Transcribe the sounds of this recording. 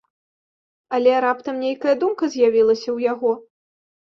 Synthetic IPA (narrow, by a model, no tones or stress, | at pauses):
ɐlʲɛɾapt̪ɐmnʲejkɐjɐd̪umkɐzʲjavʲilˠɐsʲɐwjaɣɔ